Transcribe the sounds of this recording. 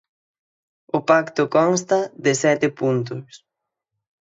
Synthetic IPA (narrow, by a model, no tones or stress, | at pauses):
ʊpakt̪ʊkɔŋst̪ɐðɪsɛt̪ɪpunt̪̬ʊs